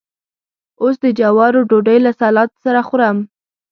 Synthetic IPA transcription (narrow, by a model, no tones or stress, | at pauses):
osd̪əd͡ʒawɑɾoɖoɖəjlasɑlɑt̪saɾaxuɾam